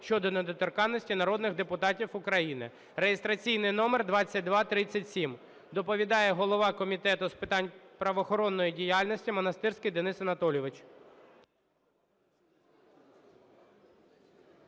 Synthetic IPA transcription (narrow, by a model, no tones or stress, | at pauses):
ʃt͡ʃɔd̪ɔned̪ɔt̪ɔrkɑnːɔsʲtʲinɐɾɔd̪nɪɣd̪epʊt̪ɑtʲiwʊkɾɐjinɪ̰ | rejest̪ɾɐt͡sʲijnɪjnɔmerd̪ʋɑt͡sʲːɐt̚ʲd̪ʋɑt̪ɾɪt͡sʲːɐtʲsʲim | d̪ɔpɔʋʲid̪ɑjɛɦɔlˠɔʋɑkɔmʲit̪ɛt̪ʊspɪt̪ɑnʲpɾɐʋɔxɔɾɔnːɔjidʲijɑlʲnɔsʲtʲimɔnɐst̪ɪrsʲkɪjd̪enɪsɐnɐt̪ɔlʲɔʋɪt͡ʃ